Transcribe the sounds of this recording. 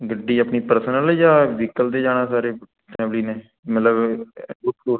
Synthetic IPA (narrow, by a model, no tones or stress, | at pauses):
ɡəɖːiːəpniːpəɾsənəlːd͡ʒaːʋɪkəld̪eːd͡ʒaːnaːsaːɾeː | ʈɛ̃ːbliːnẽː | mət̪ləbbʊʈkoːɾ